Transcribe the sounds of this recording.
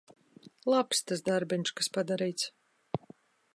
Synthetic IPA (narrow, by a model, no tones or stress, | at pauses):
lˠapst̪asd̪aɾbʲɛɲʃkaspad̪aɾijt̪s